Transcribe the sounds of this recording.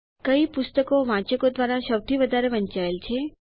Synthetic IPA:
kəipʊst̪əkoʋãt͡ʃəkod̪ʋaɾaʃəwt̪ʰiʋəd̪ʱaɾeʋəɲt͡ʃaelt͡ʃʰe

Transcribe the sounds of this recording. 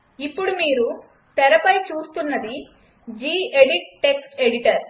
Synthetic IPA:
ipːuɽumiːɾu | t̪ɛɾɐpɐjt͡ʃuːst̪unːɐd̪i | d͡ʒiːeɽiʈ̚ʈːe̞ksʈeɽiʈɐɾ

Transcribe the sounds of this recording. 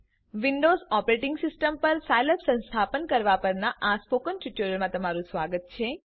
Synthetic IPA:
ʋiɳɖozɔpɾeʈɪŋɡsisʈəmpəɾsajləpsə̃nst̪ʰapənkəɾʋapəɾnaʔaspokənʈut͡ʃuɾəlmãt̪əmaɾũsʋaɡət̪̚t͡ʃʰe

